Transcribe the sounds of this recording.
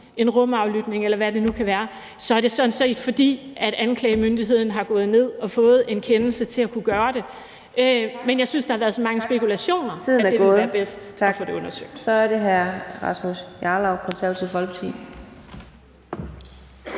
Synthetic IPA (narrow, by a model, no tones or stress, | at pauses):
e̝nʁɔ̽mɑ̈ʊlyd̥ne̝ŋelɐʋæd̥e̝nukʰæʋæːɐ | sɒ̽æɐd̥e̝sɒ̽n̩se̝̰ːd̥fɒ̽d̥ḭːʔæɾ̥ænkʰlɛɪəmønd̥iɦe̝ð̰ˠn̩ɦɑ̈ɡ̥ɔ̽ːð̞̩ˠne̝ð̞̰ˠɒ̽fɔ̽ːð̞̩ˠe̝nkʰenl̩sət͡sʰe̝lækʰuɡ̥ɶːɐɾ̥e̝ | ʔømenjɑ̈ɪsynsd̥ɑhɑ̈ʋæːɐðˠsɒ̽mɑ̈ŋəsb̥e̝kʰulæɕo̝̰ːnɐiðˠnæd̥eɡeɔːðˠːɐɐb̥esd̥ɒfɔ̽ɾ̥eɔ̽nɐsø̰ɡ̥d̥sɒ̽æɐɾe̝ɦæɐʁɑ̈smusjɑlɑʊkʰɒ̽nsæɐ̰t͡sʰifɒlb̥t͡sʰḭ